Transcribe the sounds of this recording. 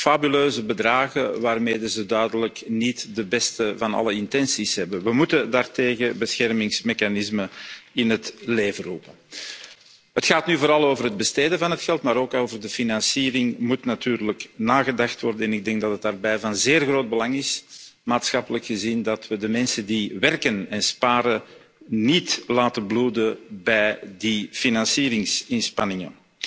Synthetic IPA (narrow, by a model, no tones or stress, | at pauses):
fabyløːzəbədraːɣəʋaːrmeːdəzədœɥdələknitdəbɛstəvɑnɑ̰ləɪntɛnsisɦɛbənʋəmutədaːrteːɣəbəsxɛrmɪŋsmexanɪsməɪnɦətleːvərupə | ɦətxaːtnyvoːɾɑlˠoːvərɦəd̚bəsteːdəvɑnɦətxɛlˠtmaːɾoːkoːvərdəfinɑnsiːɾɪŋmutnatyːrləknaːɣədɑxtwɔrdəɛnɪɡ̚dɛŋɡ̚dɑtətdaːrbɛjvɑnzeːrɣroːd̚bəlɑŋɪsmaːtsxɑpələkxəzindɑtʋədəmɛnsəndiʋɛrkənɛnspaːɾə | nitlaːtənbluːdəbɛjdifinɑnsiːɾɪŋsɪnspɑnɪŋə̰n